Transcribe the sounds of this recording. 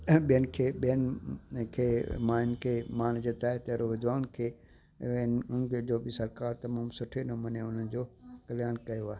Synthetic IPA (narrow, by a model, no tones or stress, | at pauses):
ɓijənɪ̆kʰeːɓijənɪkʰeːmãːɪn̆kʰeːmaːnd͡ʑɪt̪aːɦet̪ɐɦɾoʋɪd̪ʋaːnkʰeː | nʊnkʰed͡ʑoːbɪsɐɾkaːɾt̪ɐmaːmsʊʈʰenɐmɐneʊn̤ənɪ̆d͡ʑoːkɐlɪjaːnkɐjoaːe